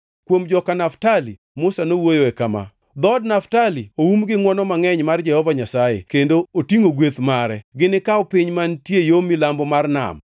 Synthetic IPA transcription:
kwomd͡ʒɔkanaftali | mʊsanowojoɛkama̰ | d̪ɔdnaftalioumɡɪŋwɔnɔmaŋɛɲmard͡ʒɛhɔvaɲasajḛkendootiŋoɡwet̪maɾɛɡɪnɪkaɔpɪɲmantjejomɪlambɔmarna̰m

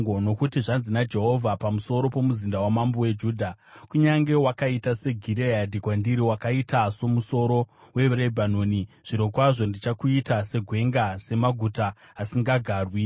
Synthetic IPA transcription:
ɡono̞kutiʐanzinad͡ʒe̞ɦo̞vʱapamuso̞ɾo̞po̞muzindawamambowe̞d͡ʒuːdʱa | kuɲaŋɡe̞wakaitase̞ɡʱiɾeadʱikwandiɾiwakaitaso̞muso̞ɾo̞we̞ʋɾebʱanoːniʐ̥iɾo̞kwaʐo̞ndit͡ʃakuitase̞ɡʱwe̞ŋɡase̞maɡʱutaːsiŋɡaɡʱaːrwi

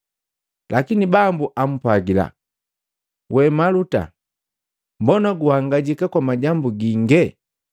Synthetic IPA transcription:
lakinibambuʔam̩paɡila̰ | wɛmaluta̰ | mbɔnaɡuhaŋɡaɟikakwamaɟambuɡiŋɡɛ

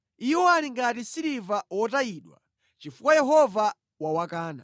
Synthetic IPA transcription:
iwɔaɾiŋɡatisiɾivawɔtaiɗwa̰ | t͡ʃifukwajɛɦɔva | wawakaːna̰

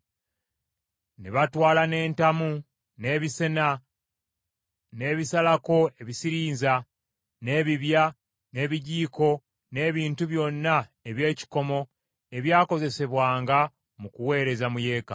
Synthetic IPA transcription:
nḭβatwaːlane̞ːntamu | ne̞ːβise̞na | ne̞ːβisalako̞e̞βisiɾiːnza | ne̞ːβiβja | ne̞ːβiɟiːko̞ | ne̞ːβiːntuβjo̞nːaeβje̞ːci̥ko̞mo̞ | e̞βjaːko̞ze̞se̞βwaːŋɡa | mukuwe̞ːɾe̞zamuje̞ːka̰

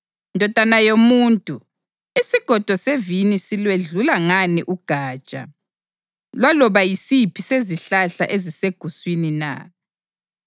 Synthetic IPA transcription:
ndʱɔd̥ʱanajomuːntʼu | isiɡ̥ʱɔd̥ʱɔsevinisilweɮulaŋaniʔuɡ̥ʱaːt͡ʃʼa̰ | lwalɔβajisipʰiseziɬaɬa̰ʔeziseɡ̥ʱuswinina̰

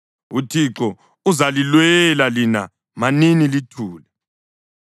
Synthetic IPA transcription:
utʰiǁɔ | uzalilwɛlalina̰ | maninilitʰuːlɛ

